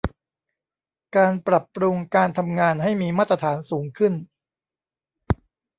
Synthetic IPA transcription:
kaː˧npɾa˨˩pːɾu˧ŋkaː˧nt̪ʰa˧mŋaː˧nɦa˥˩jmiː˧maː˥˩t̪ɾa˧t̪ʰaː˩˦nsuː˩˦ŋkʰɯ˥˩n

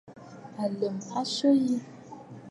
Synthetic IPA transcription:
a˨lə˨mpa˦ʃə˦ji˦

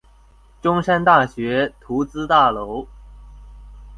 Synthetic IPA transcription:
ʈ͡ʂʊ˥ŋʂa˥nt̪a˥˩ɕɥɛ˧˥t̪ʰu˧˥t͡sɹ̩˥t̪a˥˩lo˧˥ʊ

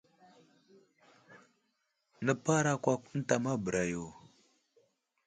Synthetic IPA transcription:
nə˦pa˦ɾa˦kʷa˦ku˦n̩˦ta˨ma˦bə˨ɾa˨jo˨

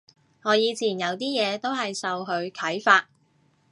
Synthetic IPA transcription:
ŋɔː˨˧jiː˨˧t͡sʰiː˨˩njɐ˨˧wt̪iː˥jɛː˨˧t̪o˥wɦɐ˨jsɐ˨wɦɵ˨˧ɥkʰɐ˨˥jfaː˧t̚

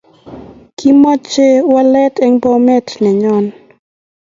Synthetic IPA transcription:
kʰi˦mɔ˦t͡ʃe˦wa˦lɛ˦tɛ˦ŋbɔ˦mɛ˦tnɛ˨ɲɔ˦n

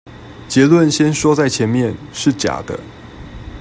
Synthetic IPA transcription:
t͡ɕjɛ˧˥lwə˥˨nɕjɛ˥nʂwɔ˥t͡sa˥˩ɪt͡ɕʰjɛ˨˧˥nmjɛ˥˨n | ʂɻ̩˥˩t͡ɕja̰˨˩d̪̥ə̰˦

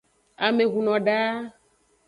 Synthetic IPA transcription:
a˨me˨ɣu˨nɔ̃˨ɖa˦

